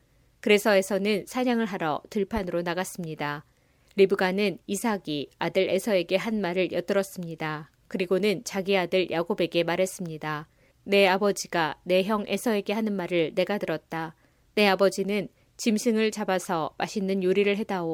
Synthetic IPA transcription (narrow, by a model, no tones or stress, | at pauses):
kɯɾe̞sʰʌe̞sʰʌnɯnsʰaɲaŋɯɭɦaɾʌ̰tɯɭpʰanɯɾonaɡas͈ɯmɲida | ɾibɯɡanɯnisʰaɡiadɯɾe̞sʰʌe̞ɡe̞ɦanmaɾɯɭjʌt͈ɯɾʌs͈ɯmɲida | kɯɾiɡonɯnt͡ɕaɡiadɯɭjʔaɡobe̞ɡe̞maɾɦe̞s͈ɯmɲida | ne̞abʌd͡ʑiɡane̞ɦjʌŋʔe̞sʰʌe̞ɡe̞ɦanɯnmaɾɯɭne̞ɡatɯɾʌt̚t͈a | ne̞abʌd͡ʑinɯn | t͡ɕimsʰɯŋɯɭt͡ɕabasʰʌmaɕʰinːɯnjoɾiɾɯɭɦe̞dao